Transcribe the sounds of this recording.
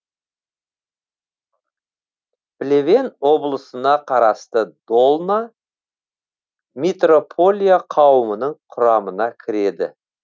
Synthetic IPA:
b̥le̞ve̞nwo̞blˠəsənɑqʰɑɾɑst̪əd̪̥o̞lˠna | met̪ro̞pʰo̞lʲijaqʰɑwəmənəɴqʰʊɾɑmənɑkʲʰɪɾe̞d̪ɪ̰

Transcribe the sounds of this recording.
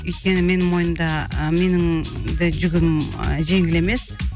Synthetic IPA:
ʏjt̪̚kʲe̞nɪme̞nɪŋmo̞jəmd̪ɑme̞nɪŋd̪ɪʒʏɡʲɪmʒe̞ŋɡʲɪle̞me̞s

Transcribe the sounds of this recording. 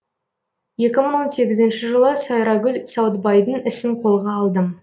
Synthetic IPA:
je̞kʲɪməɴwo̞nse̞ɡʲɪzɪnʃɪʒəlˠəsɑjɾɑɡʲʏlsɑwt̪bɑjd̪ənɪsɪɴqʰo̞lˠʁɑːlˠd̪əm

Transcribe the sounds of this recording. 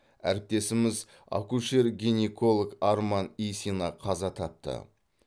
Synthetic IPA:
æ̰ɾɪp̚t̪e̞sɪmɪz | ɑ̰kuʃe̞ɾɡʲinekʰo̞lˠəkaɾmɑnijsinɑqʰɑzɑt̪ʰɑp̚t̪ə̰

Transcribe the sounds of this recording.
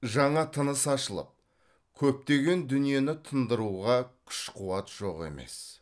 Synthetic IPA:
ʒɑɴɑt̪ʰənəsɑʃəlˠə̰p̚ | kʲʰɵp̚t̪e̞ɡʲe̞nd̪ʏnije̞nɪt̪ʰənd̪əɾuʁɑkʲʰʏ̥ʃqʰuwɑt̪ʒ̥o̞qe̞̰me̞̰s

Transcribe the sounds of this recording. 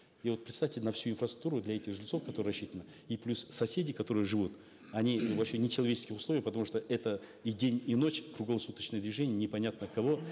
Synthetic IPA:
ivot̪pɾʲɪt̪st̪afʲtʲɪnɐfsʲuɪnfrəst̪ɾuk̚t̪uɾʊd̪lʲɐɛtʲɪxʐɨlʲɪtso̞fkɐt̪oɾɨrɐɕːit̪ənə | iplʲussɐsʲedʲɪkɐt̪o̞ɾɨjəʐɨvut̪ | ɐnʲivɐpɕenʲɪt͡ɕɪlˠɐvʲet͡ɕɪ̥skʲɪxʊsˠo̞vʲɪjpət̪ɐmuʂt̪oʔɛt̪əidʲenʲino̞t͡ɕkɾʊɡlˠɐsut̪ət͡ɕnəjəd̪vʲɪʐɛnʲɪjənʲɪpɐnʲat̪nəkɐvo̞

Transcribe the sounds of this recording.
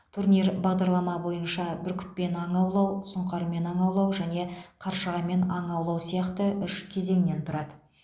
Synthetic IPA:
t̪ʰuɾnijɾbɑʁd̪ɑɾlˠɑmɑbo̞jənʃɑbɪɾkʲʰʏ̥t̪̚pːe̞nɑɴɑwlˠɑwsʊɴqɑɾme̞nɑɴɑwlˠɑwʒæne̞qʰɑɾʃəʁɑme̞nɑɴɑwlˠɑwsijɑqt̪əʔʏʃkʲʰe̞ze̞ŋne̞nt̪ʰʊɾɑd̪ə

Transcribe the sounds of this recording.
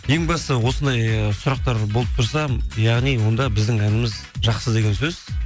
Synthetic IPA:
je̞ŋbɑst̪əwo̞sənd̪ɑjsʊɾɑq̚t̪ɑɾbo̞lˠəp̚t̪ʰʊɾsɑjɑʁnijwo̞nd̪ɑbɪzd̪ɪŋænɪmɪz | ʒɑqsəd̪e̞ɡʲe̞nsɵz̥

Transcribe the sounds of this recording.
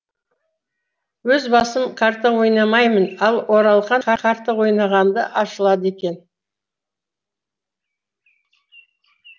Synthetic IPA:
wɵzbɑsəmkʰaɾt̪ːəwo̞jnɑmɑjmənɑlˠwo̞ɾɑlˠqɑɑqʰɑɾt̪ːəwo̞jnɑʁɑnd̪əʔɑʃəlˠɑd̪əe̞kʲe̞n

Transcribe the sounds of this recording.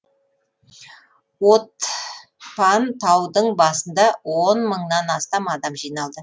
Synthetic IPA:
wot̪̚ | pʰɑnt̪ʰɑwd̪əɴbɑsənd̪ɑwonməɴnɑnɑst̪ɑmɑd̪ɑmʒijnɑlˠd̪ə

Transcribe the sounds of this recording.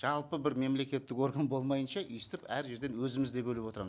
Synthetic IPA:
ʒ̥ɑlˠpəbɪɾme̞mle̞kʲe̞t̪ːɪko̞ɾɡanbo̞lˠmɑjənʃɑʔist̪ɪpæɾʒe̞ɾd̪e̞nwɵzɪmɪzd̪e̞bɵlɪpwo̞t̪ɾɑm

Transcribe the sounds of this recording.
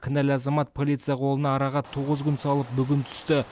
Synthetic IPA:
kʲʰɪnælʲɑzɑmɑt̪̚pʰolijt̪sɨjɑqʰo̞lˠənɑːɾɑʁɑt̪ʰːoʁəzkʲʏnsɑlˠəp̚bʏɡʲɪnt̪ʰʏ̥st̪ɪ

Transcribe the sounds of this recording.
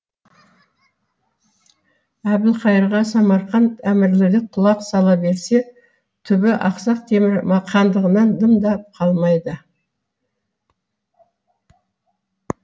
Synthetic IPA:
æbɪlˠqʰɑjəɾʁɑsɑmɑɾχɑnʰæmɪɾlɪɾd̪eqʰʊlˠɑqsɑlˠɑbe̞ɾse̞ | t̪ʰʏbɪʔɑqsɑq̚t̪ʰe̞mɪɾmɑqʰɑnd̪əʁənɑnd̪əmd̪ɑp̚qʰɑlˠmɑjd̪ə

